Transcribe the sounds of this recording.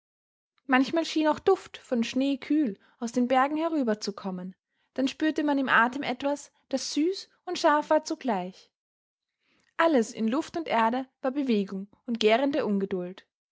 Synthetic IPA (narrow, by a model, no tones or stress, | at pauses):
mançmaːlʃiːnaʊxd̥ʊftfɔnʃneːkʰyːl | ʔaʊsd̥eːnbɛɐɡŋ̩hɛʁ̞yːbɐt͡sukʰɔmən | d̥anʃpyːɐtəmanɪmʔaːtəmʔɛtv̥as | d̥asz̥yːs | ʊntʃaɐfv̥aːɐt͡suɡlaɪç | ʔaləsɪ̰nlʊftʊntʔeːɐdəvaːɐbəveːɡʊŋ | ʊntɡ̥eːʁəndəɐʔʊnɡədʊlt